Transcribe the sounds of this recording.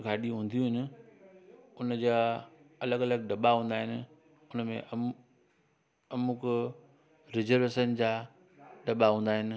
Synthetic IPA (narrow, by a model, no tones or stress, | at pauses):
ɡʱaːɗiɦũːn̆d̪ijũɦɪnɪ̆ | ʊnəd͡ʑaɐləɡɐləɡɖɐɓaɦũːnd̪aːɦɪnɪ̆ | ʊnəmḛ̃ʔ | ɐmʊk | ɾɪzəɾʋeːʃənd͡ʑaː | ɗɐɓaɦũːn̆d̪aːɦɪnɪ̆